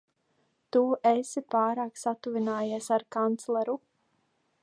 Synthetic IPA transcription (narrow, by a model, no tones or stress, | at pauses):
t̪uʔesipaːɾaːksat̪uvinaːjeɛsaɾkant̪slˠɛɾu